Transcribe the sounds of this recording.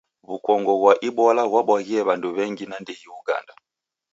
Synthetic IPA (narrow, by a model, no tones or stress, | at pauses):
βukɔŋɡɔɣwaʔiɓɔlaɣwaɓwaɣiɛβanduβɛŋɡinandiɣiuɡa̰nda